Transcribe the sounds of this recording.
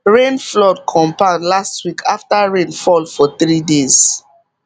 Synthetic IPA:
ɹẽnflɔdkʰɔ̃mpadlastwikʰaftaɹẽnfɔlfɔθɹidez̥

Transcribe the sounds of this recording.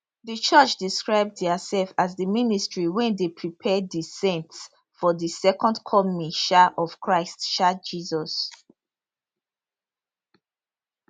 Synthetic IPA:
ðət͡ʃɔt͡ʃdiskɹaɪb̚dðəsɛlfazðəministɹiwɛ̃ndepʰɹipʰɛddisɛ̃nts | fɔðəsɛkɔ̃ndkʰɔmiʃaʔɔv̥kʰɹaɪstʃad͡ʒizɔs

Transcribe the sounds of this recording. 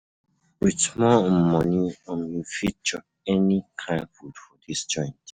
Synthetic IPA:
witmɔmɔniãmifit͡ʃɔ | ɛnikʰãɪ̃nfudfɔdisd͡ʒɔ̃ɪ̃nt

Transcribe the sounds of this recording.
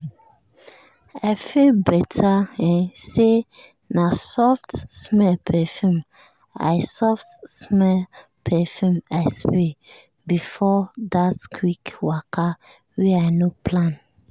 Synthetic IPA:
aɪfilbɛtʰaɛ̃nse | nasɔftsmɛlpʰɛfũm | a̰ɪsɔftsmɛl | pʰɛfjũmaɪspe | bifɔdatkʰwikwakʰa | wɛaɪnopʰlãn

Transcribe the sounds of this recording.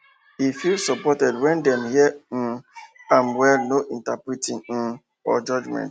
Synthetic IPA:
hifilsɔpɔtɛdwɛ̃ndɛmhin̩amwɛlnoʔĩntapɹitĩŋ̩ | ɔ̰d͡ʒɔd͡ʒmɛ̰̃nt

